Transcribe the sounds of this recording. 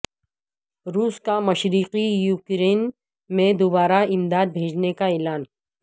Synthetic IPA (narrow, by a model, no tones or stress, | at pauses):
ɾuːskamɐʃɾiːqijuːkɾeːn | mẽd̪ʊbaːɾaɪmd̪aːd̪̚bʱeːd͡ʒnekaeːlaːn